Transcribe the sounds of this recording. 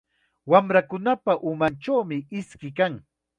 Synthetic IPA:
wamɾakʊnapaʔʊmant͡ʃawmɪɪskɪkaŋ

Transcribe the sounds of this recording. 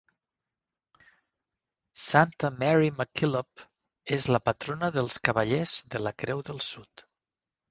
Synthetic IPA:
sant̪əmɛɾiməkilop | ezləpət̪ɾonəðəlˠskəβəʎɛzðələkɾɛwðəlˠsut̪

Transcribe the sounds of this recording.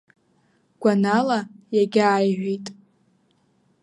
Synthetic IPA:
ɡ̥ʷanalajaɡʲajʕʷitʼ

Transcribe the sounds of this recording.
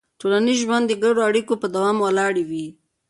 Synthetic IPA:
tolanizʒwand̪əɡaɽoaɽikopəd̪awɑmwalɑɽewi

